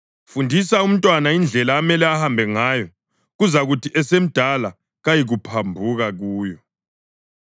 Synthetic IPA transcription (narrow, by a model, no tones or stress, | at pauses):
fundʱisaum̩tʼwanaind͡ɮʱɛlaːmɛlɛahambʱɛŋaːjɔ | ɣuzaɣutʰiʔɛsem̩d̥ʱala | ɣajiɣupʰambʱuɣaɣuːjɔ